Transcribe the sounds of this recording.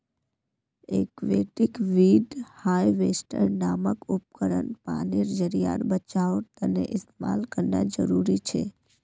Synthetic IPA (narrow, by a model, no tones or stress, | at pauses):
ekʋeʈikʋiɖhajʋesʈəɾnaməkup̚kəɾə̰npa̰niɾd͡ʒəɾija̰ɾbət͡ʃaʋt̪ənḛʔɪst̪emalkəɾna̰d͡ʒəɾuɾit͡ʃʰe